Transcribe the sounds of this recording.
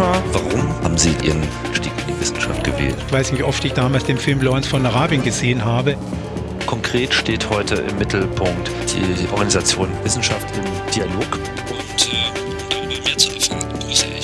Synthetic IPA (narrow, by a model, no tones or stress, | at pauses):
avaʁʊmha̰ːbm̩ziːʔḭːʁənaʃtiːkɪndivɪsn̩ʃa̰ft̚ɡ̥əvḛːltv̥aɪsnɪçʔɔftɪçd̥aːmaːlsd̥eːnfɪlmblɔʁɛnsfɔnaʁaːbiənɡəzeːənɦaːbə | kʰɔŋkʁ̥eːtʃteːthɔʏtəʔɪ̰mːɪtʰl̩pʰʊŋk̚td̥ḭːʔɔ̰ɐɡanizat͡sjoːnvɪsn̩ʃaftɪmd̥ialoːk | ʔʊntː | d̥aəmiːɐt͡suɛfn̥ʊsɪ